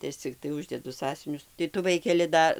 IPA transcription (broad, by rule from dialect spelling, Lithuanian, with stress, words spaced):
tɐɪ ˈɐʃ t͡sʲɪkˈtɐɪ ˈʊʒʲdʲɛdʊ ˈsɑːsʲʊʋʲɪnʲʊs tɐɪ ˈtʊ ˈʋɐɪkʲɛlʲɪ ˈdɐ